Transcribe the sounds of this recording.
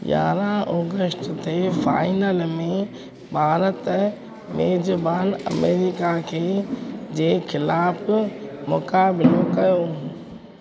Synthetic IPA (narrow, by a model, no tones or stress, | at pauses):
ɡa̰ːɾãʔɔːɡəsʈt̪ʰefa̰ːɪnəlmẽ | bʱaːɾət̪ | meːd͡ʑbaːnɐ̰meːɾikakʰeːd͡ʑeːxɪlaːfmʊkaːbɪlokɐjo